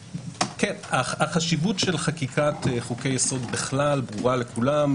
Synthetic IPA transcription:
kenaaχaʃivutʃe̞lχakikateχuke̞jːeso̞d̪beχlalbʁuʁale̞kulam

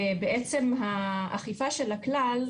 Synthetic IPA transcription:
beʔet͡se̞mɦaa̰χifaʃelaklal

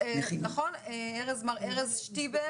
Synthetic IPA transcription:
nɐχo̞neeʁezmaʁeʁezʃtibe

